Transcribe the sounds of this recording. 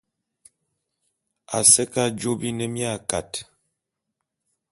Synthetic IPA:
a˨sɛ˦ka˦d͡ʒo˦bi˦nɛ˦mja˦˨ka˨t

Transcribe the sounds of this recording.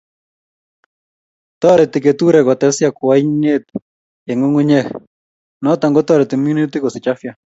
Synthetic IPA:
t̪ɔ˦ɾɛ˨t̪ɪ˨ke˨t̪u˦ɾɛ˨kɔ˨t̪ɛ˨˦sja˦kʊ˨wa˦ine˦t̪ | e˨ŋo˦ŋu˦ɲɛ˦ | nɔ˦t̪a˨ŋɡɔ˦t̪ɔ˦ɾɛ˨t̪i˨mju˦ni˦t̪i˦kɔ˨sɪ˨t͡ʃa˦fja˨

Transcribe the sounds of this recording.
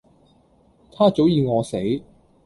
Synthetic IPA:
t̪ʰaː˥t͡so˨˥wjiː˨˧ŋɔː˨˧se˨˥j

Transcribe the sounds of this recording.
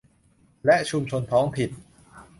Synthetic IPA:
lɛ˦˥ʔt͡ɕʰu˧mt͡ɕʰo˧nt̪ʰɔː˦˥ŋpʰi˨˩t̪̚

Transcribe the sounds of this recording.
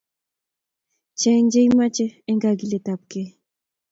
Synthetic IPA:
t͡ʃɛ˨ɲd͡ʒɛ˦jima˦t͡ʃɛ˦ɛ˦ŋɡa˨ɡi˨le˨ta˨p̚ke˦

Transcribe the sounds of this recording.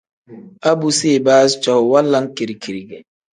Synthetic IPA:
a˦bu˨se˦˨ba˦st͡ʃa˨hwa˦lːa˦ŋ˦ki˨ɾi˨ki˨ɾi˨ɡɛ˨

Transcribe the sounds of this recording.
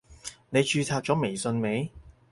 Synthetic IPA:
ne˨˧jt͡ʃyː˧t͡sʰaː˧p̚t͡ʃɔː˨˥me˨˩jsɵ˧nme˨˧˥j

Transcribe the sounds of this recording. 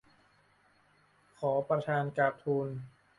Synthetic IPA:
kʰɔː˩˦pɾa˧t̪ʰaː˧nkaː˨˩k̚t̪ʰuː˧n

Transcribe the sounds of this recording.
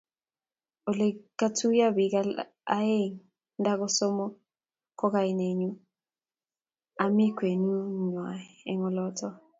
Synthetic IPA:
o˨le˨ka˦tʰu˦ja˦bi˨ka | a˦e˦ŋ | nda˦ɡɔ˦sɔ˦mɔ˦ | kɔ˦ka˨i˨ne˨ɲu˦ | a˨mi˦kwe˨nu˦ɲwa˨ | ɛ˨ŋɔ˨lɔ˦tɔ˦

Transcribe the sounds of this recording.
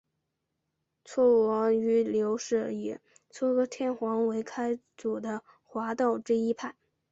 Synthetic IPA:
t͡sʰwɔ˥ɑ˧˥ŋy˧˥ljo˧˥ʊʂɤ˥˩i˨˩ | t͡sʰwɔ˥˩kɔ˥t̪ʰjɛ˥˩nxwɑ˧˥ŋwe˧˥ɪkʰa˥ɪ | t͡su˨˩d̪ə˦ | xwa˧˥t̪ɑ˥˩ʊʈ͡ʂɻ̩˥˧i˥pʰa˥˩n

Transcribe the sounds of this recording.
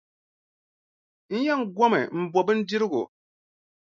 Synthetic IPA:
n̩˦jɛ˦ŋ̩˦ɡɔ˦mɛ̰˨m̩˨bɔ˨bɨ˦n̩˦di˦ɾɪ˦ɡʊ̰˨

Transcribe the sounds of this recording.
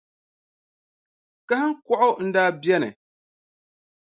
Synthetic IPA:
ka˦hɨ˦ŋ˦kɔ˦ʔʊ˦n̩˦daː˦bɛ˦nɨ̰˨

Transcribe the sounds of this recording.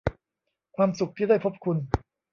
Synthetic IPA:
kʰwaː˧msu˨˩k̚t̪ʰiː˥˩daː˥˩jpʰo˦˥p̚kʰu˧n

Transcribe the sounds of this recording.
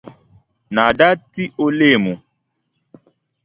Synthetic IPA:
na˨ɖa˦ti˦ʔo˦le˦˨mũ˨

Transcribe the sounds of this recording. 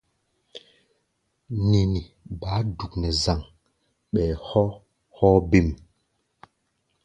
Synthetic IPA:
ni˨ni˨ | ba˨˦du˨knɛ˨za˨ŋ | ɓɛ˨hɔ˦ | hɔ˦be˦˨m

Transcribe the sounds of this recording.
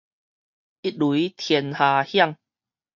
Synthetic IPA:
i˦t̚lu˨i˦t̪ʰjɛ˧nhaː˨˩hja˥˧˨ŋ

